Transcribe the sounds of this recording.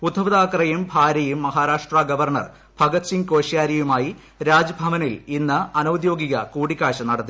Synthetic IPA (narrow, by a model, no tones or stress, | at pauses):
pud̪ʱɐʋɐðaːkrɐjumbʱaːɾɐjumːɐɦaːɾaːʂʈraːɡɐʋɐrɳɐ̰r | bʱɐɡɐt̪siŋko̞ːɕjaːɾɐjumaːji | ɾaːd͡ʑɐbʱɐʋɐnilinːɐɐnɐwd̪jo̞ːɡiɣɐ̰kuːɽikʲːaːɻɕɐnɐɽɐt̪ːi